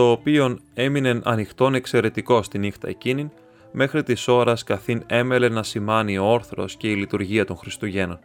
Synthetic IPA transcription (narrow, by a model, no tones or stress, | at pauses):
t̪o̞ːpio̞ne̞mine̞nʔɐ̰nixt̪o̞ne̞kse̞ɾe̞t̪iko̞st̪inixt̪ɐ̰ecinin | me̞xɾit̪iso̞ɾɐskɐθine̞me̞le̞nɐsimɐnio̞o̞ɾθɾo̞̰sce̞ilit̪uɾʝiɐt̪o̞nxɾist̪uʝe̞no̞n